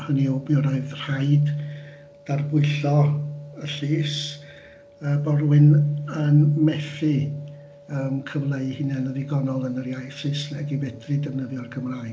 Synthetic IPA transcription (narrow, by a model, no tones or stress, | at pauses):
həniobɾɔɨðr̥aɨd | d̥arbʊɨɬɔəɬiːs | əbɔrwɪnənmɛθi | əmkʰəvlˠeɨhɪnɛnəðɪɡɔnɔlˠənərjajsɨsnɛɡibɛdrɨdəvnəðjɔrɡʰəmraːj